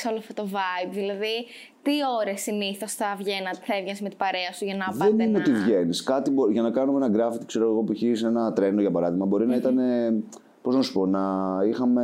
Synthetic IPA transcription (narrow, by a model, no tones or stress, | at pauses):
solofot̪ovɐjbðilɐði | t̪io̞ɾesiniθo̞sθɐvʝe̞nɐt̪e̥θɐevʝɐnsmet̪i̥bɐɾeɐsuʝɐnɐðɐenineot̪ivʝe̞niskɐt̪iboʝɐnɐkɐnumeenɐɡɾɐfit̪i̥kse̞ɾoeɣopiçisenɐt̪ɾe̞noʝɐpɐɾɐðiɣmɐbo̞ɾinɐit̪ɐne̞ | po̞znɐsu̥po̞nɐixɐme